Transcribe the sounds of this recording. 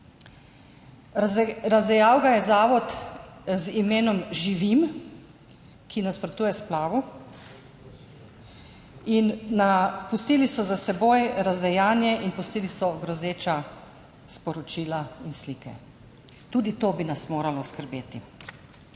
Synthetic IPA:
ɾazd̪ɛjaːwkajɛzaːʋɔt̪zimeːnɔmʒiʋim | kʰinaspɾɔt̪uːjɛsplaːʋɔ | inːapust̪iːlisɔzasɛboːjɾazd̪ɛjaːnjɛʔinpust̪iːlisɔɡɾɔzeːt͡ʃa | spɔɾɔt͡ʃiːlainslikɛ̰ | t̪uːd̪it̪oːbinasmoːɾalɔskəɾbeːt̪i

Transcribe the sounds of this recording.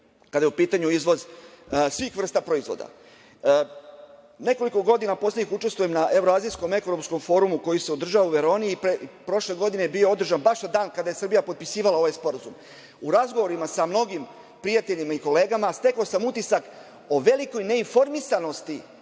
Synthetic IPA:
kad̪ajeupiːt̪aɲuizʋo̞zsʋixʋr̩st̪apɾo̞izʋo̰d̪a̰ | ne̞ko̞liko̞ɡo̞d̪inapo̞slʲeɲixut͡ʃe̞st̪ʋujemnaʔe̞ʋɾoaːzijsko̞me̞ko̞ɾopsko̞mfo̞ːɾumuko̞jiseod̪r̩ʒaʋauʋe̞ɾo̞ːnipɾepɾo̞ʃle̞ɡo̞d̪ineebio̞o̞d̪r̩ʒanbaʃnad̪aːnkad̪ajesr̩bijapo̞t̪̚pisiːʋalao̞ʋajspo̞ɾazum | uɾazɡoʋo̞ɾimasamno̞ɡim | pɾijat̪e̞ʎimaiko̞le̞ːɡamast̪e̞klosamut̪isak | o̞ʋe̞liko̞jne̞info̞ɾmisano̞st̪i

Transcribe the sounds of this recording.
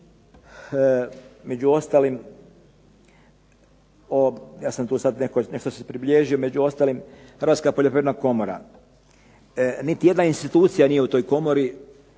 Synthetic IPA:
me̞d͡ʑuo̞st̪aːlim | ojaːsamt̪uːsad̪nekoneʃt̪osepɾibʎʲeʒio̞med͡ʑuo̞st̪alimhɾrʋat̪skapoʎopɾeʋnako̞moɾa̰ | nit̪ije̞d̪nainst̪it̪uːt̪sijanije̞ut̪o̞jko̞mo̞ɾi

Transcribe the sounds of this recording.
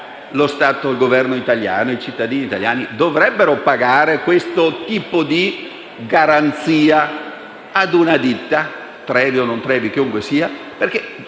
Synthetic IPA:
lost̪aːt̪oilɡovɛrnoit̪alja̰ːnoit͡ʃit̪ːad̪iːniːt̪aljaːnid̪ovɾɛbːeɾopaɡaːɾekwest̪ot̪iːpod̪i | ɡaɾant̪siːa | ad̪unad̪it̪ːa | t̪ɾɛːvionont̪ɾɛːvik̟iuŋkwesiːa | perk̟e

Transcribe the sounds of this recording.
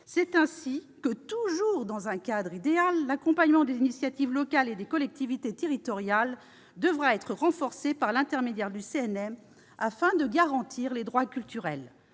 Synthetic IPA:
sɛt̪ɛ̃si | kət̪uʒuʁd̪ɑ̃zɛ̃kad̪ʁid̪ealːakɔ̃paɲmɑ̃d̪ezinisjat̪ivlɔkaled̪ekɔlɛk̚t̪ivit̪et̪eʁit̪ɔʁjal | d̪əvʁaɛt̪χəʁɑ̃fɔʁsepaʁlɛ̃t̪ɛʁmed̪jɛʁd̪yseɛnɛm | afɛ̃d̪əɡaʁɑ̃t̪ʰiʁled̪ʁwakʲylt̪yʁɛl

